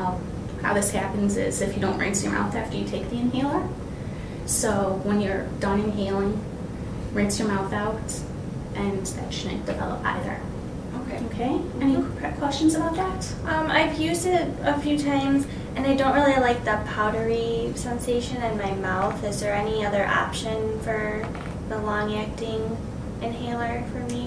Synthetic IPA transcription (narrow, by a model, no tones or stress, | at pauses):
ha̰ʊðɪshæpɨ̃n̩zɪ̰zɨfjɨdõʊ̃nʔɹɛ̰̃nsjə̰˞mʔa̰ʊθaʊfd̥ɨjɨtʰeɪk̚ðiɨ̃nɦeɪlˠə˞ | soʊwə̃njə˞d̥ɑ̃nɪ̃ŋɦeɪlˠɪ̃ŋ | ɹɛ̃nsjə˞maʊθaʊɾ | ʔɨ̃nðɨ̥ | nɨ̰̃d̥ɨvɛ̰lˠə̰pa̰ɪðə̰˞ | oʊ | oʊkʰeɪ | ɛni | kʰw̥ɛst͡ʃɨ̃n̩zəbaʊt̪̚ðæt̚ | ʔʌ̃ma̰ɪvjʉzdɪɾəfjʉtʰãɪ̃mz | ʔɨ̃naɪdõʊ̃nʔ̚ɹɪlˠilaɪk̚ðət̚pʰaʊɾə˞isɛ̃nseɪʃɨ̃nɨ̃nmaɪmaʊθɨzðə˞ɛniʌðə˞ʔɑ̰pʃɨ̃nfə˞ | ðəlɔ̃ŋæk̚tɪ̃ŋ | ɨ̃nɦeɪlˠə˞fə˞mi